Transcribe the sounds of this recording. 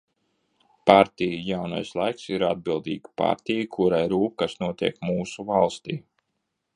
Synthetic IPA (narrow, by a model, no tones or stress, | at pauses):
paɾt̪ʲijijawna̰jslˠajksiɾad̪̚bilˠd̪ḭːɡpa̰ɾt̪ʲijkʰuɾajɾuːp̚kasnuɔt̪iɛkmuːsuvalˠst̪iː